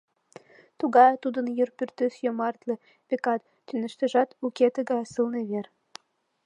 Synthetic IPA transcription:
t̪uɣɑjt̪ud̪ə̆njyrpyrt̪ɘsjomɑrt̪lĕ | pʲekɑt̪ːynɘ̆ʃt̪ɘ̆ʒɑt̪ukʲet̪ĕɡɑjsɨlneβer

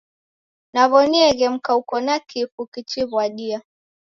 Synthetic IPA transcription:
naβɔniɛɣɛm̩kaukɔnakʰifukit͡ʃiβwaɗia

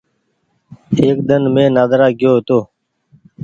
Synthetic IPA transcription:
eːk̚d̪ənmẽːnaːd̪ɾaːɡjoːɦt̪oː

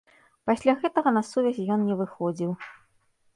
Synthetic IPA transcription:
pasʲlʲaɣɛt̪ɐɣɐnɐsuvʲɛzʲjɔnnʲɛvɨxɔd͡zʲiw

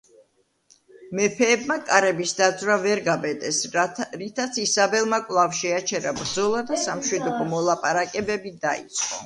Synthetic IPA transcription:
mɛpʰɛːbmakʼaɾɛbisd̪ad̪zvɾavɛɾɡabɛd̪ʼɛsɾit̪ʰat̪sʰisabɛlˠmakʼwlˠavʃɛat͡ʃʰɛɾabɾd̪zɔlˠad̪asamʃwid̪ɔbɔmɔlˠapʼaɾakʼɛbɛbid̪aḭt̪sʼqʼɔ̰

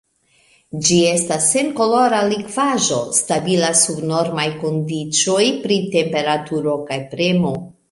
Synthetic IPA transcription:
d͡ʒie̞stasːe̞nko̞lo̞ɾalikvaʒo̞stabilasubno̞ɾmajko̞ndit͡ʃojpɾite̞mpe̞ɾatuɾo̞kajpɾe̞mo̞

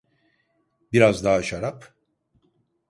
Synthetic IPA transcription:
biɾazd̪aːaʃaɾap

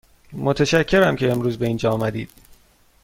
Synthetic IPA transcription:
mot̪ʰæʃæcʰːe̞ɾæmcʰe̞ːmɾuːzbe̞iːnd͡ʒɒːɒːmæd̪iːd̪̥̚

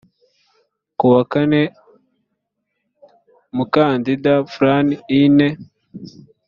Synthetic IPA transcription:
kuwakane | mukaːndidafɾaniine

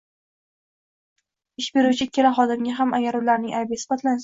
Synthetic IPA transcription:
ɪʃbe̞ɾuwt͡ʃʰɪkʲʰe̞ɾaχɒd̪ɪmɡʲaɦamaɡʲaɾʊlaɾnɪŋʔajbɪsɪ̥bat̪lans

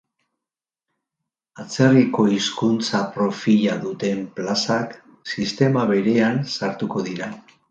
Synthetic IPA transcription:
at͡se̞riko̞iskunt͡sapɾo̞fiʎaðut̪e̞mplasak | sist̪e̞maβe̞ɾe̞ansaɾt̪uko̞ðiɾa

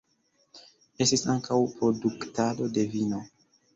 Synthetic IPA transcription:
e̞stisaŋkʰawpɾo̞duktado̞de̞vino̞

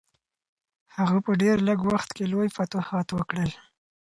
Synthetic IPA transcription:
haɣapəɖeɾləɡwaxt̪kelojfat̪ohɑt̪wəkɽəl

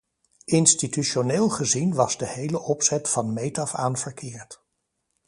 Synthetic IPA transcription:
ʔɪnstityʃoneːlˠχəzinʋɑzdəhejləʔɔpsɛtfɑnmejtɑfa̰ːnvəɹkʰɪːɹt

